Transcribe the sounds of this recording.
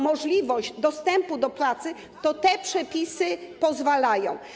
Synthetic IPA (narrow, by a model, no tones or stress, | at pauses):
mɔʐlʲivɔʑd͡ʑd̪ɔst̪ɛmpud̪ɔpwat̪sɘ | t̪ɔt̪ɛpʂɛpʲisɘpɔzvalajɔ̃w̃